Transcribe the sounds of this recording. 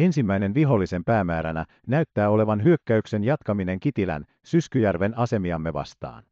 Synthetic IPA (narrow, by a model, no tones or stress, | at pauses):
e̞nsimːæjne̞nʋiɦo̞lːise̞mpæːmæːɾænæ | næyt̪ːæːo̞le̞ʋɑnɦyø̞kːæykse̞njɑt̪kɑmine̞ŋkit̪ilæ̰n | syskyjærʋe̞nɑse̞miɑmːe̞ʋɑ̰st̪ɑ̰ːn